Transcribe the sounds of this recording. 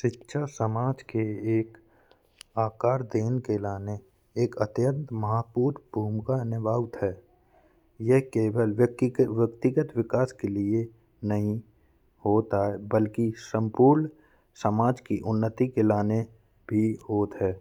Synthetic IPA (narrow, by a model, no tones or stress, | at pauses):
ʃɪtːʃʰasəmaːd͡ʒkeeːk | aːkaːɾd̪eːnkelaːne | eːkət̪jə̃nt̪məɦapuːɾbʱuːmkanɪbaːʋt̪ɦɛː | jeɦkeːwəlʋʋjəkt̪ɪɡət̪ʋɪkaːskelie | nəɦĩ | hoːt̪aɦɛbəlkisə̃mpuːɾn | səmaːd͡ʒkiʔʊnːət̪ikelaːne | bʱihoːt̪ɦɛː